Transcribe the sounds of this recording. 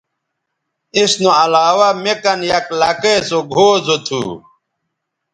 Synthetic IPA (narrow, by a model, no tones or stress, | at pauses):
isnoɐlaːwamekɐnjɐklɐkesoɡʱoːzot̪ʰṵː